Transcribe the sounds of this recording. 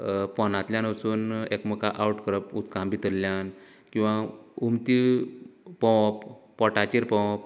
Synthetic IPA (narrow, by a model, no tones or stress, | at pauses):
pɔnat̪ljanəsuːnekməkaʔawʈkɾəput̪kãmbit̪əɾljan | kĩw̃ʋaumt̪i | pɔ̃pː | ɔʈat͡ɕiɾpɔ̃p